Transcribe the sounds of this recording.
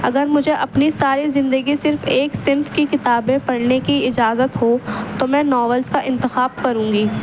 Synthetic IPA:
ɐɡəɾmʊd͡ʒʱeʔɐpnisaːɾizɪ̃nd̪əɡisɪɾfeːksɪnfkikɪt̪aːbẽpɐɽnekiɪd͡ʒaːzət̪ɦot̪omɛ̃ːnɔːʋəlzkaʔɪ̃nt̪ɪxaːb̚kɐɾũːŋɡiː

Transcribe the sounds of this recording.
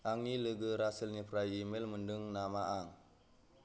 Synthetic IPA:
ʔaŋiləɡəɾasəlɲəprajimɛlməndəŋnamaʔaŋ

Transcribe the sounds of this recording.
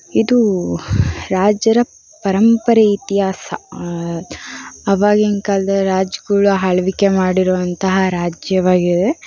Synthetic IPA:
id̪u | ɾaːd͡ʒɐɾɐ | pɐɾɐmpɐɾɐit̪ijaːsɐ | ɐʋaːɡiŋkald̪ɐɾaːd͡ʒɡɐɭuɦɐɭɐʋike̞maːɽiɾɔʋɐnt̪ɐɦɐɾaːd͡ʒjɐʋaːɡid̪e

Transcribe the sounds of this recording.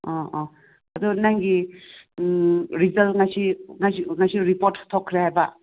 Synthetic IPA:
ɔɔ | ɐd̪unaŋɡi | ɾizɐlŋajsiŋasiŋajsiɾipoɾttʰokʰːɾehajbɐ

